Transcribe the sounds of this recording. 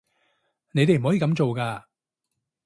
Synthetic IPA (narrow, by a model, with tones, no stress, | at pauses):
ne˨˧jt̪e˨jm̩˨hɔ˨˥i˨kɐ˨˥mt͡ʃo˨wkaː˧